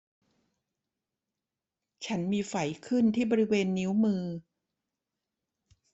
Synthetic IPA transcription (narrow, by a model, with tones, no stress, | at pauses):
t͡ɕʰa˦˥nmiː˧fa˨˩˦jkʰɯ˥˩nt̪ʰiː˥˩bɔː˧ɾi˦˥weː˧nːi˦˥wmɯː˧